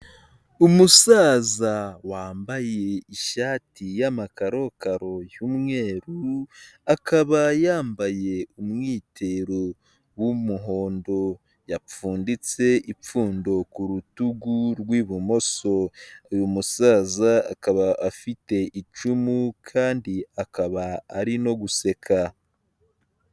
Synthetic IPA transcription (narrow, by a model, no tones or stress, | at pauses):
umusaːzawaːmbaje̞iʃaːtijamakaɾo̞kaɾo̞jumŋe̞ːɾuakʰaβajaːmbaje̞umŋiːtʰe̞ɾo | wumuɦo̞ːndo̞ | jap͡fuːndit͡se̞ʔip͡fuːndo̞kuɾutuɡuɾɡwiːβumo̞so̞ojumusaːzaa̰kaβaafite̞ʔit͡ʃumukʰaːndiakaβaːɾino̞ɡuse̞kʰa